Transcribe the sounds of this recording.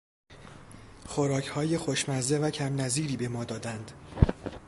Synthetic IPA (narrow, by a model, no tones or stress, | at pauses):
xoɾɒːcʰhɒːje̞xoʃmæɾze̞væcʰæmnæziːɾiːbe̞mɒːd̪ɒːd̪ænd̪̥